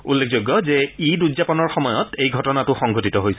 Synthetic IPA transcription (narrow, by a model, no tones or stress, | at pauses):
ulːek̚ʰzojɡːɔzɛiduzapɔnɔɹxɔmɔjɔtejɡʱɔtɔnatʊxɔŋɡʱotitɔɦojsɛ